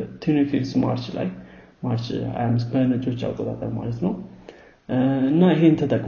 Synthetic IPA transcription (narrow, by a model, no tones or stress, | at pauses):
t̪ʰunififsma̰ɾt͡ʃla̰j | maɾt͡ʃa̰jamːɨsbənət͡ʃʼːo̞t͡ʃːa̰wkʼot̪ʼa̰t̪ʼəɾma̰lət̪nəw | ɨnːaɨɦeɨnt̪ʰət̪ʼəkʼ